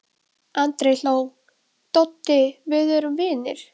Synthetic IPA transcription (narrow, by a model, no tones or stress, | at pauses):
ant̪ɾejl̥oːw | t̪owt̪ːɪvɪðœɾʏmvɪːnɪ̰ɾ̥